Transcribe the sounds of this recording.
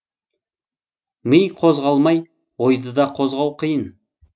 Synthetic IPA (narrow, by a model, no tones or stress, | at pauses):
mijqʰo̞zʁɑlˠmɑj | wojd̪əd̪ɑqʰozʁɑwqʰəjən